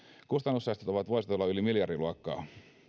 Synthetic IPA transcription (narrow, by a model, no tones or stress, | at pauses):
kust̪ɑnːusːɑjst̪et̪oʋɑt̪ʋoiset̪o̞lːɑylimiljɑrdiluɑkːɑ̰ː